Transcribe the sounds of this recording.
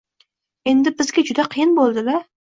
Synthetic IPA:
e̞nd̪ɪbɪzɡʲad͡ʒʊd̪aqʰɨjɪnbolˠd̪ɪla

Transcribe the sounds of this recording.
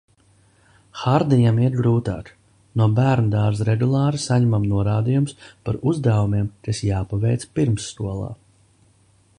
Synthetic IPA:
xaɾd̪ijamiɾbɾuːt̪a̰ːk | nuɔbæːɾnd̪aːɾzɾɛɡulˠɑːɾisaɲɛmamnuɔɾaːd̪ijumspaɾuzd̪avumiɛmkasjaːpavɛjt̪spiɾmsːt̪uɔlˠa̰ː

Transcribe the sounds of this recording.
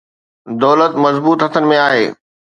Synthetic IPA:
d̪ɔːlət̪mɐzbuːt̪ɦɐt̪ʰənɪ̆mẽaːɦeː

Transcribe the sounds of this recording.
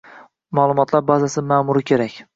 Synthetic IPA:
malˠʊmɒt̪ʰlˠaɾbazasɪmamʊɾɪkʲʰe̞ɾakʲ

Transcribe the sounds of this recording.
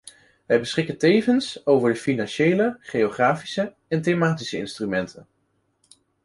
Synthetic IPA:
ʋɛjbəsχɪkəntejvənsowvəɹdəfinɑnʃejləχejoχraːfi̥sə | ɛntejmaːtisəɪ̰nstrymɛntʰən

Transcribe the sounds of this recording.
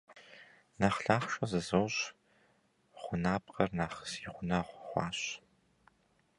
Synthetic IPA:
naχɬaːχʃʷɐzɨzowɕ | χʷʊnaːp̚ʼqʼɐrnaːχə̥siʁʷʊnɐʁʷχʷɑ̰ːɕ

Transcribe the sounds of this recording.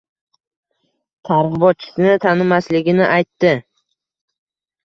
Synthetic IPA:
t̪ʰaɾʁɨbɒt̪̚t͡ʃʰɪ̥sɪnɪt̪ʰanɪmːaslɪɡʲɪnɪʔajt̪ːɪ

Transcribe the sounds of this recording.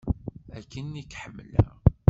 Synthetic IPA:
ækːənːikħəmːlæ̰

